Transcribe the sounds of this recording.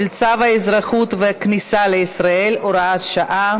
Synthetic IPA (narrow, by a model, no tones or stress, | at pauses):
lt͡savaezʁaχut̪veaknisaleisʁae̞lʔoɾaat̪ʃaʔa